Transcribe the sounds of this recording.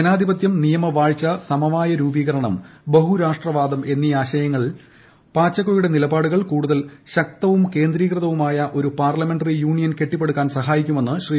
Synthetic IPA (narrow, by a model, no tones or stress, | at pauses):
ɐnaːd̪ʱibɐt̪jɐmnijɐmɐʋaːɻt͡ɕːɐsɐmɐʋaːjɐɾuːbiːɣɐɾɐɳɐmbɐɦuɾaːʂʈrɐʋaːd̪ɐme̞nːiaːɕɐjɐŋːɐɭ | paːt͡ɕːɐkːojuɽe̞nilɐbaːɽuɣɐɭkuːɽuðɐlɕɐk̚t̪ɐʋumke̞ːnd̪ɾiːkrɨðɐʋumaːjɐʔo̞ɾupaːrlɐme̞ɳɖɐrijuːɳijɐnke̞ʈːipːe̞ɽukːaːnsɐɦaːjikʲːume̞nːɨɕriː